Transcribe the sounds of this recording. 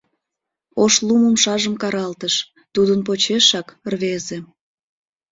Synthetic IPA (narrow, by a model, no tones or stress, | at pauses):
oʃlˠuməmʃɑʒəmkɑɾɑlt̪əʃ | t̪ud̪ənp̬ot͡ɕeʃɑkrβeze